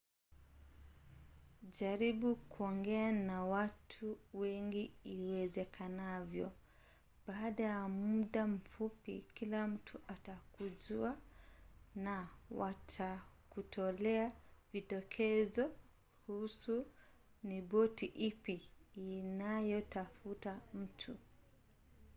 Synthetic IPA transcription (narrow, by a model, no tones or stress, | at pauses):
ʄaɾiɓukuɔŋɡɛanawatʰuwɛŋɡiiwɛzɛkʰanavjɔ̰ | baːɗajamuɗam̩fupḭkilam̩tʰuʔatakuzua | nawatʰakutʰɔlɛaviɗɔkʰɛzɔ | husu | nibɔtiʔipiː | najɔtafutam̩tʰu